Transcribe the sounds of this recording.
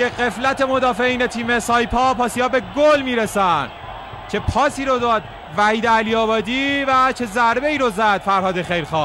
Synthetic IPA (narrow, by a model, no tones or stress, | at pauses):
jeɢe̞flæt̪ʰe̞mo̞d̪ɒːfeiːnet̪ʰiːmesɒːjpʰɒːpʰɒːsiːhɒːbe̞ɡolmiːɾesænd̪ | t͡ʃʰe̞pʰɒːsiːɾod̪ɒːd̪̚ | væhiːd̪eæliɒːbɒːd̪iːvæt͡ʃʰe̞zæɾbe̞iːɾozæd̪̥fæɾhɒːd̪exejɾxɒː